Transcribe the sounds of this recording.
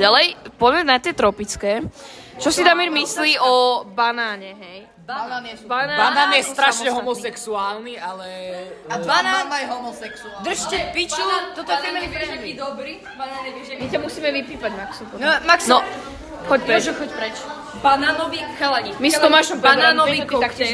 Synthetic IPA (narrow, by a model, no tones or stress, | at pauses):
alɛjpɔzmɛnat̪ɪɛt̪ɾɔpit͡skɛː | t͡ʃɔsid̪amiɾmisliːʔɔbanaːɲɛɦɛj | babanaːbanaːnjɛst̪ɾaʃɲɛɦɔmɔsɛksuaːlnialɛabanaːmajɦɔmɔsɛksud̪r̩ʃtɛpit͡ʃinɔt̪ɔt̪ɔɛmɛiɛʒɛiːd̪ɔbɾiː | bananɛiʒɛmitamusiːmɛʋipiːpaɟmaksumaksnɔ | xɔcpɾɔʒɛxɔcpɾɛt͡ʃ | banaːnɔʋikxɛlaɲimist̪ɔmaʃɔmbbaaːnɔʋikt̪akɛ